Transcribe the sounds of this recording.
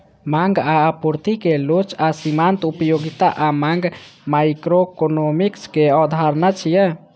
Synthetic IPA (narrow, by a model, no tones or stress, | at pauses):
maŋɡaːpuɾt̪ikelot͡ʃasimant̪upəjoɡit̪aʔamaŋɡmajkɾokonomikskeɔd̪ʱaɾnat͡ʃʰijə